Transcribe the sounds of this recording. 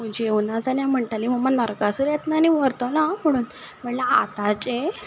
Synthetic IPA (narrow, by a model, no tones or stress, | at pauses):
m̤ud͡ʑiewnad͡zaljãm̤əɳʈalim̤əmanəɾkasuɾjet̪naniʋəɾt̪ɔlam̤əɽ̃uːn | m̤əʈlaa̰t̪at͡ɕe